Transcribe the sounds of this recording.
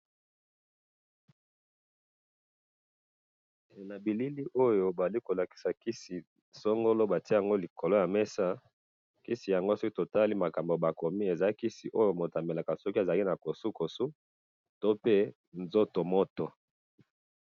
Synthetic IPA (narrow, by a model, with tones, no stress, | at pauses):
na˨bi˨li˦li˦ʔo˦jo˨ba˨za˨li˦ko˨la˨ki̥˨sa˨ki˦si˨ | so˦ŋɡo˦lo˦ba˨ti˦a˨ŋɡo˦li˨kʰo˨lo˦ja˨me˦sa˦ | ki˦si˨ja˨ŋɡo˦so˦ki˦to˨ta˦li˦ma˨ka˨mbo˨ba˨ko˨mi˦e˨za˨˦i˦ki˦si˨ʔo˦jo˨mo˨ta˨mbe˨la˨ka˨sɔ˦ki˦e˨za˨li˦na˨ko˨su˦ko˨su˦ | to˦pe˦ | nzo˦to˨mo˦to˨